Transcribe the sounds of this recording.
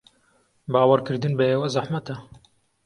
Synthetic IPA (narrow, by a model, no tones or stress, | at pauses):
bɑːwɑɾkɨɾd̪ɨnbeeːwɛzaħmæt̪ɛ